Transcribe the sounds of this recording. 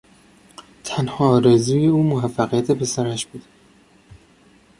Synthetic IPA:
t̪ʰænhɒːɾezuːjeuːmoɦæfːæɣijæt̪ʰepʰesæɾæʃb̥uːd̪̥

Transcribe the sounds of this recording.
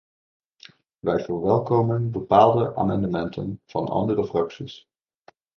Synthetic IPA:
ʋɛjvəːɹʋɛlˠkowmənbəpaːlˠdəʔa̰ːmɑndəmɛntʰə̰nv̥ɑnʔɑ̰ndərəfrɑksis

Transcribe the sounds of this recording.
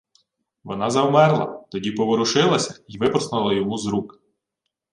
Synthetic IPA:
ʋɔnɑzɐwmɛrlˠɐ̰t̪ɔdʲipɔʋɔɾʊʃɪlˠɐsʲɐiʋɪpɾɔsnɐlˠɐjɔmuzɾukɪ̥

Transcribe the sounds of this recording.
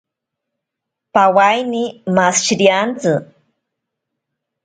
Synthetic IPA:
pawajnimasʃɾiant͡sɨ

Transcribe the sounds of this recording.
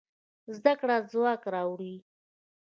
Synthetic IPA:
zd̪akɽazwɑkɾɑwɽi

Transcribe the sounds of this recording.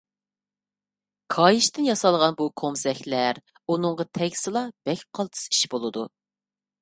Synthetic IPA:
kʰɑjiʃt̪ɪnjɑsɑlˠʁɑnbukʰomsɛxʲlæɾ | unɨŋʁɑt̪ʰɛɡʲsɨlˠɑb̥ɛkʲqʰɑlˠt̪ʰɨ̥si̥ʃbolˠɨd̪u

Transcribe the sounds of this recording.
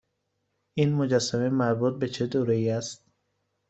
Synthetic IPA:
iːnmod͡ʒæsːæmemæɾbuːt̪̚bet͡ʃʰed̪oːɾeiːæst̪̚

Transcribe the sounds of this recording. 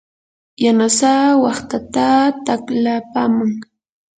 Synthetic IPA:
janasawɑχt̪at̪at̪aklapamaŋ

